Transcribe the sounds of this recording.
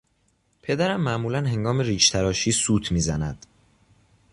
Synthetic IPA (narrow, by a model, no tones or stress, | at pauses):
pʰe̞d̪æɾæmːæʔmuːlænɦe̞ŋɡɒːmeɾiːʃt̪ʰæɾɒːʃiːsuːt̪ʰmiːzænæd̪̥